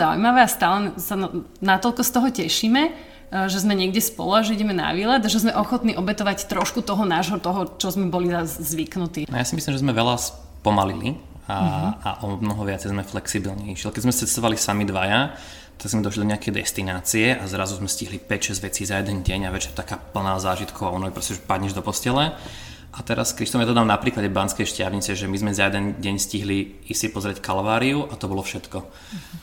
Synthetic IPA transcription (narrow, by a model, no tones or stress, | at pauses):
aṵjmaʋɛast̪aːlɛsanat̪ɔʎkɔst̪ɔɦɔcɛʃiːmɛ | ʒɛzmɛɲɪɛɡɟɛspɔ̰lɔaʒɛiɟɛmɛna̰ʋiːlad̪aʒɛzmɛʔɔxɔt̪niːʔɔbɛt̪ɔʋact̪ɾɔʃkut̪ɔɦɔnaːʒɦɔt̪ɔɦɔt͡ʃɔzmɛbɔlizazzʋiknut̪iːajasimislimʒɛzmɛʋɛlas | pɔmalḭlḭ | aa̰ʔɔbnɔɦɔʋɪat͡sɛjzmɛflɛksibilɲɛiʃilɛkɛzmɛst͡sɛst̪ɔʋalisamid̪ʋaja | t̪aɡzmɛd̪ɔʃlid̪ɔɲɛakɛjd̪ɛ̰st̪inaːt͡siɛʔazɾazuzmɛsciɦlipɛcʃɛzɟʋɛt͡siːzajɛd̪ɛnɟɛɲaʋɛt͡ʃɛɾt̪akaːpl̩ˠnaːzaːʒit̪kɔʊaɔnɔipɾɔscɛʒɛpad̪ɲɛʒd̪ɔpɔscɛlɛ | ʔat̪ɛɾaskɾiʃt̪ɔmjad̪ad̪amnapɾiːklaɟɛbanskɛjʃcɪaʋɲit͡sɛʒɛmizmɛzajɛd̪ɛnɟɛɲsciɦli | isipɔzɾɪɛckalʋaːɾiuʔat̪ɔbɔlɔfʃɛt̪kɔ